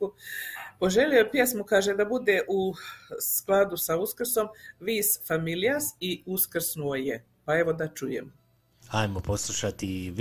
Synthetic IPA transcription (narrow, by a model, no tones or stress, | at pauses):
upo̞ʒe̞liopjesmukaːʒed̪abud̪eʔusklˠad̪usauskrso̞mʋiːsfamiliasiuskɾsnuoje | pae̞ʋo̞d̪at͡ʃujḛm | ajmoposlˠuʃat̪i